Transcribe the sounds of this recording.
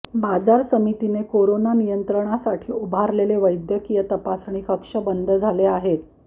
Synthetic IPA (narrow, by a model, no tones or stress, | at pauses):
bad͡zaɾsəmit̪inekoɾonanijənt̪ɾəɳ̃asaʈʰiːubʱaɾleleʋəjd̪jəkijət̪əpasɳ̃iːkəkʂəbənd̪ʱəd͡zʱaleaɦet̪